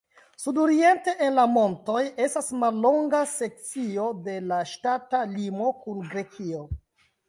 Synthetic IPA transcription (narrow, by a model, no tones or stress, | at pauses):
sudoɾie̞nte̞ʔenlamo̞nto̞je̞stasmalːo̞ŋɡase̞k̚t͡sio̞de̞laʃtatalimo̞kunɡɾe̞kʰio